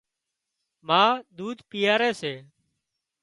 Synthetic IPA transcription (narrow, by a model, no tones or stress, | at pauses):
mãːd̪uːd̪ʱpiːjaːɾeːseː